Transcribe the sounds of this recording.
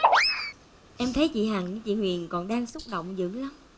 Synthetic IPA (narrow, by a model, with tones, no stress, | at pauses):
ʔɛ˧mt̪ʰə˨˦jt͡ɕḭ˧˨ɦaː˨˩ŋɨ˧˥t͡ɕḭ˧˨hwḭ˨˩ənkɔ˨˩nɗaː˧ŋsʊ˦˥k͡p̚ɗo̰˧˨wŋ͡mzɨ̰˧˥ŋla˨˦m